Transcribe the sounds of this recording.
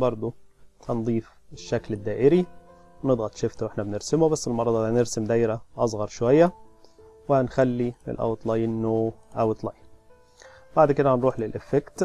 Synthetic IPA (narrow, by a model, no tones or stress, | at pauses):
bɑɾˤd̪ˤohænd̪ˤiːf | eʃːækled̪ːæːʔɪɾi | wned̪ˤɣɑt̪ˤʃeft̪æwʔeħnæbeneɾsɪmobæsːelmɑɾˤɑd̪ˤɑneɾsɪmd̪æːjɾæʔɑsˤɣɑɾˤʃowæjːæ | wɪhænxælːilḛlʔæ̰wt̪ˤlɑjnːoːʔæwt̪ˤlɑ̰jn | baʕd̪ked̪æhænɾuːħlelʔefːekt̪